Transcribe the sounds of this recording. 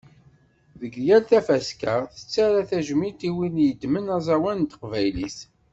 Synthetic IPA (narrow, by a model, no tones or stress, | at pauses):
ðəɡjælt̪æfæskəʁθə̥t͡sːæɾaθæʒmit̪iwinjəd̪mənæzˤɑwænt̪ə̥qvæjlḭs